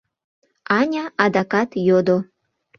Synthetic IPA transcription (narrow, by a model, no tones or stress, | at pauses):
ɑnʲɑʔɑd̪ɑkɑt̪jod̪o